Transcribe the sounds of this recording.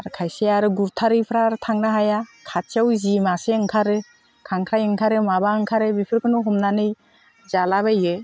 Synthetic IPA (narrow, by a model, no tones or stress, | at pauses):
aɾkʰajseaɾɯɡuɾtʰaɾɯjpʰɾaɾɯtʰaŋnaɦajakʰat̚t͡ʃawzimaseɯŋkʰaɾɯ | kʰaŋkʰɾajɯŋkʰaɾɯmabaɯŋkʰaɾɯbipʰɯɾkʰɯnɔɦɔmnanɯj | zalabajɯ